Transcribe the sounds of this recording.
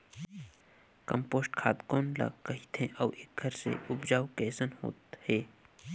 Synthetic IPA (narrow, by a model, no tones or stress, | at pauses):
kə̃mpoːsʈkʰaːt̪koːnla̰kɐɦit̪ʰẽʔɔːʔeːk̚ɡʱəɾsḛʔʊbd͡ʒaːwkɛːsənho̰ːt̪heː